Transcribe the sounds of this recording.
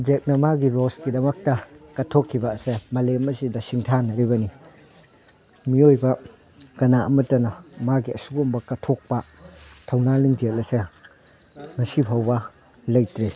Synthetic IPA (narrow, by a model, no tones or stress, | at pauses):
d͡ʒek̚nɐmaɡiɾosɡidɐmɐk̚tɐkɐtʰokʰːibɐːsemɐlemɐsidɐsiŋtʰanɐɾibɐni | miojbɐ | kɐnaʔɐmɐtːɐnɐmaɡiɐsuɡumbɐkɐtʰok̚pɐtʰɐwnaliŋd͡ʒel̚ɐse | mɐsipʰɐwbɐ | lɐjtɾe